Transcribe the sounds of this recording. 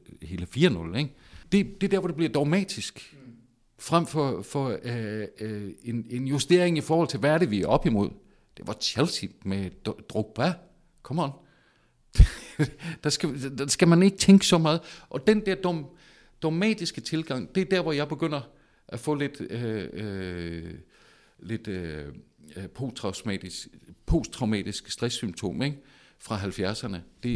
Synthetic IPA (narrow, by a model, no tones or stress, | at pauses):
he̝ːləfiːɐnɔ̽leŋd̥e̝d̥e̝dæɐɒ̽de̝b̥liɐd̥ɒʊmɛ̰ːd̥isɡ̥ | fʁam̰fɒfɒ | ene̝njusd̥e̝ɐ̰eŋifɒːhɒ̽l̰t͡sʰe̝ʋææɐɾeʋiæɒ̽b̥imo̝ð̞̰ˠ | d̥e̝ʋɑ̈ɕʰelsid̥med̥ʁoɡ̥̚b̥æ | kʰɒ̽mɒn̥ | d̥ɑsɡ̥æd̥æsɡ̥æmæne̝ɡ̥ət͡sʰeŋɡ̥əsɒ̽mɑ̈ːð̞̩ˠʔɒ̽d̥end̥æɐd̥o | d̥ɒmɛ̰ːd̥isɡ̥ət͡sʰe̝lɡ̥ɑ̈ŋ̰d̥e̝æɐd̥æɐ̰ʋɒjɑ̈ɪb̥e̝ɡ̥øn̰ɐ | ʔæfɔ̰̽le̝d̥ø | le̝d̥ | pʰo̝̰t͡sʰʁɑ̈ʊsmɛ̰ːd̥isɡ̥pʰo̝̰st͡sʰʁɑ̈ʊmɛ̰ːd̥isɡ̥sd̥ʁɛsːymt͡sʰo̝̰ːmeɡ̥ | fʁɑ̈ɦælfjæɐsɐnəd̥e̝